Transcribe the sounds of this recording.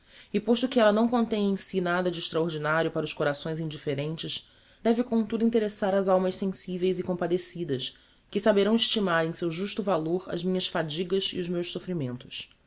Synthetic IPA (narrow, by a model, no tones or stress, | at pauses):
ɪpoʃt̪ʊkɪɛlɐnɐ̃w̃kõnt̪ẽj̃ẽj̃sinad̪ɐd͡ʒɪːʃt̪ɾaoɾd͡ʒinaɾʲiʊpaɾɐʊskoɾasõj̃zĩd͡ʒifeɾẽnt͡ʃɪʃ | d̪ɛvɪkõt̪ud̪uĩt̪eɾesaɾɐzawmɐʃsẽsivejzɪkõpad̪esid̪ɐs | kɪsabeɾɐ̃w̃ɪʃt͡ʃimaɾẽj̃sewʒuʃt̪ʊvaloɾɐ̰zmĩɲɐsfad͡ʒiɡɐzḭʊzmewʃsofɾimẽnt̪ʊ̥s